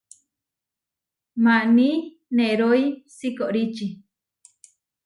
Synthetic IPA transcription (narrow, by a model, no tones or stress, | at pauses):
mani | neɾoisikoʔɾit͡ʃi